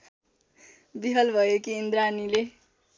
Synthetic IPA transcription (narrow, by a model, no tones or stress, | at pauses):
b̪iɦʌlbʱʌjekiːnd̪ɾanile